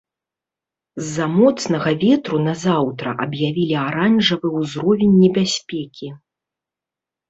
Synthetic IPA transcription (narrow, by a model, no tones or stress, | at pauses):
zːamɔt̪snɐɣɐvʲɛt̪ɾunɐzawt̪ɾɐ̰ʔɐbjavʲilʲiaɾanʐɐvɨwzɾɔvʲɛnʲːɛbʲasʲpʲɛkʲi